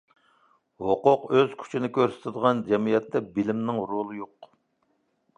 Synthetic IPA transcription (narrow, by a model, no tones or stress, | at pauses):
hoqʊqøz̥kʲʰy̥t͡ʃʰinɪkʲʰøɾsɪ̥t̪ʰɪd̪əʁɑnd͡ʒɛmijɛt̪ːɛbɪlɪmnɪŋɾolˠɨjoq